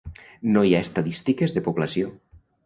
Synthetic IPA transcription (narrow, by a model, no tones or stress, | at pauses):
nojaest̪aðist̪ikezðepuβlasjo